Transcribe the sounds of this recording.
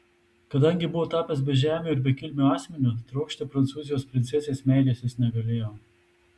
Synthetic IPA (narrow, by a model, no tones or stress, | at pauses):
kɐd̪ɐŋʲɡʲɪbʊʋoːt̪ɑːpʲɛs̬bʲɛʒʲæːmʲuːɪɾbʲɛkʲɪlʲmʲuɑːsʲmʲɛnʲʊt̪ɾɐʊkʃʲt̪ʲɪpɾɐnt̪suːzʲɪjoːspʲɾʲɪnʲsʲɛsʲeːsmʲɛˑɪlʲeːsʲɪsnʲɛɡɐlʲeːjoː